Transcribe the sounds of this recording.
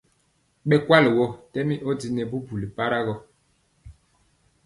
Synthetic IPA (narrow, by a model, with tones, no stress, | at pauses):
ɓɛ˨kwa˦lwɔ˦tɛ˦mi˦ʔɔ˦di˦nɛ˨bu˦bu˨li˨pa˦ɾa˦ɣɔ˦